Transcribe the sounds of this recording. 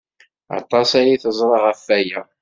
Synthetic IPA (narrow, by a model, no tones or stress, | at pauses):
ɑ̰t̪ˤːɑsæjiθəzˤɾˤɑʁəfːæjæ